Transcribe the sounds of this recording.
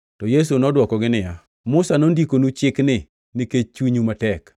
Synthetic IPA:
tɔjes̬unɔdwɔkɔɡɪnɪja | mʊsanondikonut͡ʃɪknɪ | nɪket͡ʃwiɲumatɛk

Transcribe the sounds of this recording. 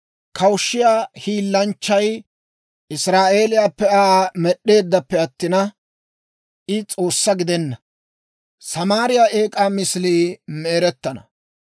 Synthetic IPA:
kʰɐwʃːɪjaːhiːlːɐnt͡ʃːɐj | ʔɪsɾaːʔe̞ːlɪjaːpːɛamɛɗːe̞ːd̪ːɐpːɛɐt̪ːɪnɐ | ʔɪt͡sʼo̞ːsːɐɡɪd̪ɛnːɐ | sɐmaːɾɪjaːʔe̞ːkʼaːmɪsliːmeːɾɛt̪ːɐnɐ̰

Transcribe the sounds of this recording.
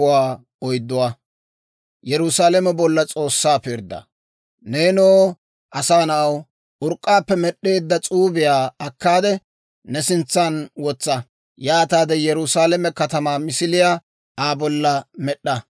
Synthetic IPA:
waː | ɔjd̪ːʊwa | jɛɾʊsaːlɛmɛbɔlːɐt͡sʼo̞ːsːaːpɪɾd̪ːɐ̰ | neːnoː | ʔɐsaːnɐʔɐw | ʔʊɾkʼːaːpːɛmɛɗːe̞ːd̪ːɐt͡sʼuːbɪjaːɐkːaːd̪ɛ | nɛsɪnt͡sːɐnwɔt͡sːɐ | jaːt̪aːd̪ɛjɛɾʊsaːlɛmɛkɐt̪ɐmaːmɪsɪlɪja | aːbɔlːɐmɛɗːɐ

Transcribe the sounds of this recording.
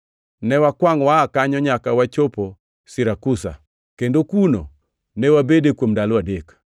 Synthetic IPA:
nɛwakwaŋwakaɲɔɲakawat͡ʃopo | sɪɾakusa̰ | kendokuno̰ | nɛwabedekwomdalwadek

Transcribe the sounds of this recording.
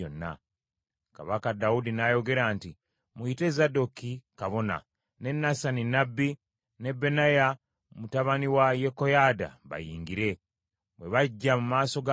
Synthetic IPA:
onːa̰ | kaβakadaudinajo̞ɡe̞ɾaːnti | muite̞zado̞kikaβo̞na̰ | ne̞nːasaninabːi | ne̞bːe̞naja | mutaβaniwajeko̞jada̰βa̰jiːŋɡiɾe̞ | βwe̞βaɟːamumaːso̞ɡa

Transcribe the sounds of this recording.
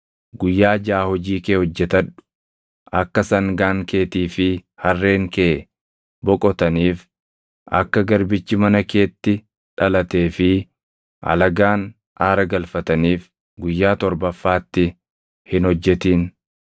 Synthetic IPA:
ɡʊjːaːd͡ʒaːhɔd͡ʒiːkeːhɔd͡ʒːɛt̪ɐᶑʊ̥ | ʔɐkːɐsɐŋɡaːŋkʰe̞ːt̪iːfɪhɐrːe̞ːŋkeː | bɔkʼɔt̪ɐniːf | ʔɐ̰kːɐɡɐɾbɪt͡ʃːɪmɐnɐke̞ːt̪ːɪ | ᶑɐlɐt̪e̞ːfɪ | ʔɐ̰lɐɡaːn | ʔaːɾɐɡɐlfɐt̪ɐniːf | ɡʊjːaːt̪ɔɾbɐfːaːt̪ːɪ | hɪnhɔd͡ʒːɛt̪iːn

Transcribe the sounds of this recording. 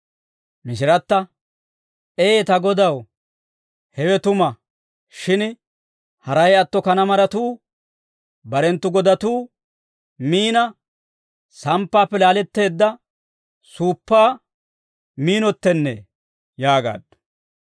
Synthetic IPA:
mɪs̬ɪɾɐt̪ːɐ | eːt̪ɐɡɔd̪ɐw | hɛwɛt̪ʊmɐ | ʃɪn | hɐɾɐjɐt̪ːɔkɐnɐmɐɾɐt̪uː | bɐɾɛnt̪ːʊɡɔd̪ɐt̪uː | miːnɐ | sɐmpːaːpːɛlaːlɛt̪ːe̞ːd̪ːɐ | suːpːaː | miːnɔt̪ːɛnːḛː | jaːɡa̰ːd̪

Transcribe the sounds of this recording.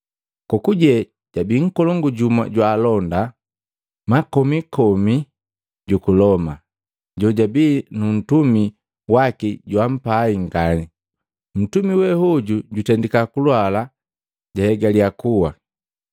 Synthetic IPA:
kɔkuɟɛ | ɟ̥abiŋ̩kɔlɔŋɡuɟuma̰ɟwaːlɔnda | makɔmikɔmi | ɟukulɔma | ɟɔɟabiːnun̩tumi | wakiɟwam̩paiŋɡani | m̩tumiwɛhɔɟuɟutɛndikakulwala | ɟahɛɡalijakuwa

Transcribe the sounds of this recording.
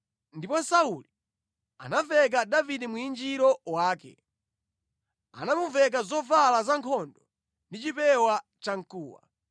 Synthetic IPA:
ndipɔsauli | a̰navɛk̬adavidɛmuind͡ʒiɾɔwaːkɛ̰ | a̰namuvɛk̬azɔvalazaŋkʰɔndɔ | ndit͡ʃipɛwa | t͡ʃaŋ̩kuːwa̰

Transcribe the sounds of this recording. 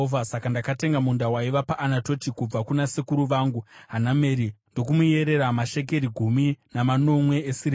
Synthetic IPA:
vʱasakandakate̞ŋɡamundawaiʋapaʔːnato̞tikub͡vakunasekuɾuʋaːŋɡuɦaname̞ɾindo̞k̬umuje̞ɾe̞ɾamaʃe̞k̬e̞ɾiɡʱuminamano̞mwe̞ːsiri

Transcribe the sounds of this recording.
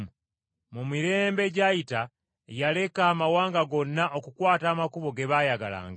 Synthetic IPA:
mumiɾe̞ːmbe̞ɟajita | jale̞kaːmawaːŋɡaɡo̞nːaʔo̞kukwaːtaːmakuβo̞ɡe̞βaːjaɡala̰ːŋɡa

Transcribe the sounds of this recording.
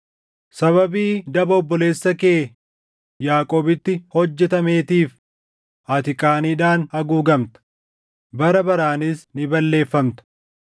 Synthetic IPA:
sɐβɐbiːd̪ɐbɐɔbːɔle̞ːsːɐkeː | jaːkʼoːbɪt̪ːɪhɔd͡ʒːɛt̪ɐme̞ːt̪iːf | ʔɐːt̪ɪkʼaːniːᶑaːnhɐɡuːɡɐmt̪ɐ̥ | bɐɾɐbɐɾaːnɪsnɪbɐlːe̞ːfːɐmt̪ɐ̥

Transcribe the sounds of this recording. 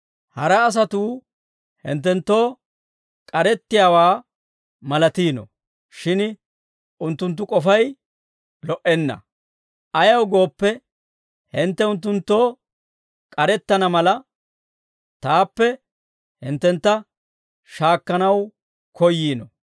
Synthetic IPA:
hɐɾɐːs̬ɐt̪uː | hɪ̰nt̪̬ːɛnt̪ːo̞ː | kʼɐɾɛt̪ːɪjaːwaː | mɐlɐt̪iːnɔ̰ | ʃɪn | ʊnt̪ːʊnt̪ːʊkʼɔfɐj | lɔʔɛnːɐ̰ | ɐjɐwɡo̞ːpːɛ | hɪnt̪ːɛʊnt̪ːʊnt̪ːo̞ː | kʼɐɾɛt̪ːɐnɐmɐlɐ | t̪aːpːɛ | hɪnt̪ːɛnt̪ːɐ | ʃaːkːɐnɐw | kɔjːiːnɔ̰

